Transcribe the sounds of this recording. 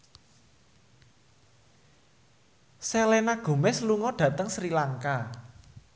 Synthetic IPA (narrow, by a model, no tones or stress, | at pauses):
selɛnaɡ̥o̤mɛsluŋɔɖ̥ä̤t̪əŋsɾilaŋka